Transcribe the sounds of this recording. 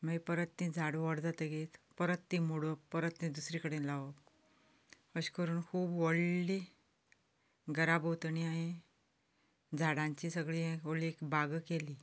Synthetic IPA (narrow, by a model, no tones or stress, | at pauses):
məpəɾət̪nĩd͡zʱaɽʋəɽd͡zat̪əɡet̪pəɾət̪ːĩmuɽopəɾət̪nĩd̪usɾikəɽẽlaʋək | əɕkəɾuːnkʰuːbʋəɽli | ɡəɾabɦot̪əniaɦẽ | d͡zʱaɽãɲt͡ɕisəɡɭĩʋoɭliekbaɡkeli